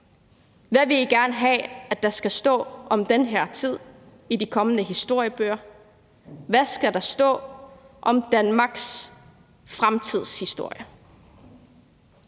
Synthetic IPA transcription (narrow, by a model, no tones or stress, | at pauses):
ʋæʋe̝liɡ̥æɐnəɦɛ̰æd̥ɑ̈sɡ̥æsd̥ɔ̰̽ːʔɒ̽md̥enɦeɐ̰t͡sʰið̞̰ˠ | idikʰɒ̽mənəɦisd̥o̝ɐ̰jəb̥ø̰ːɐ | ʋæsɡ̥æɾ̥ɑ̈sd̥ɔ̰̽ː | ʔɒ̽md̥ænmɑ̈ɡ̥s | fʁamt͡sʰið̞̰ˠshisd̥o̝ɐ̰jə